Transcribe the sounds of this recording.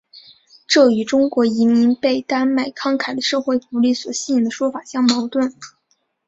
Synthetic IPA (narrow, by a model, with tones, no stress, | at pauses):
ʈ͡ʂɤ˥˩y˧˥ʈ͡ʂʊ˥ŋkwɔ˧˥i˧˥mi˧˥ŋpe˥˩ɪt̪a˥nma˥˩ɪkʰɑ˥ŋkʰa˨˩ɪlə˧˦ʂɤ˥˧xwe˥˩ɪfu˧˥li˥˩swɔ˨˩ɕi˥˩i˨˩ŋd̪ə˦ʂwɔ˥fa˨˩ɕjɑ˥ŋmɑ˧˥ʊt̪wə˥˩n